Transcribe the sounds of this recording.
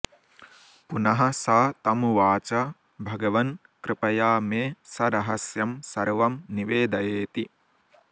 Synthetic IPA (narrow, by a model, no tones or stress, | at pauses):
punɐɦɐsaːt̪ɐmuʋaːt͡ʃɐ | bʱɐɡɐʋɐn | kɾɨpɐjaːmeːsɐɾɐɦɐsjɐmsɐɾʋɐmniʋeːd̪ɐjeːt̪i